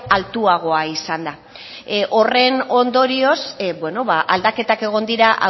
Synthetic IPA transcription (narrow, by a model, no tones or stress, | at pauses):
alt̪uaɣ̞o̞aisand̪a | ʔo̞re̞no̞nd̪o̞ɾio̞sbwe̞no̞βaʔald̪ake̞t̪ake̞ɣ̞o̞nd̪iɾaʔa̰